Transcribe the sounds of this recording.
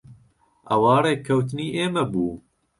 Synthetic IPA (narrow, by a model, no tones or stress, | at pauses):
ɐwɑːɾeːkʰɐwt̪ɨniːʔeːmɐbuː